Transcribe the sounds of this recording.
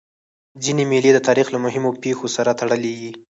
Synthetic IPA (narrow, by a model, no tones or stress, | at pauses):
zinemeled̪ət̪ɑɾixlamʊɦɪmopexosaɾat̪aɽəlewi